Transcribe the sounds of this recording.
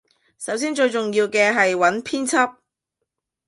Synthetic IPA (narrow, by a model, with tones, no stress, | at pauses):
sɐ˨˥ws̬iː˥nt͡ʃɵ˧ɥt͡sʊ˨ŋjiː˧wkɛː˧ɦɐ˨jwɐ˨˥npʰiː˥nt͡sʰɐ˥p̚